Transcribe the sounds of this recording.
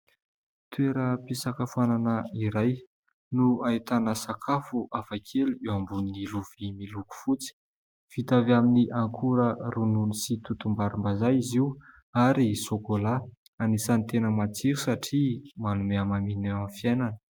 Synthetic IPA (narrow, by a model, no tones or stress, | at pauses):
t̪ueɾəpisakafuananəiɾaj | nuait̪anəsakʰafuʔafakʰeluewambuniniluv̥imiluku̥fut͡si̥ | v̥it̪avaminiʔaŋkʰuɾərununisit̪ut̪umbaɾumbazajiziw | aɾisokola | anisanit̪enəmat͡siɾusaʈ͡ʂimanumeamamineamfiajnanə̥